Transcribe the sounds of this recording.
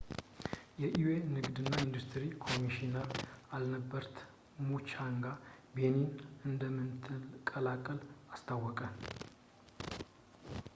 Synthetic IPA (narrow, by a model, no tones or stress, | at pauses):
jɛʔiwe̞nɨɡd̪ɨnːaind̪ust̪ʰɨɾikʰo̞miʃinəɾalnəbːəɾt̪ʰ | mut͡ʃaŋɡabe̞ninɨnd̪əmːɨnt̪ʰɨlkʼəlakʼːəlast̪ʰawːɔkʼən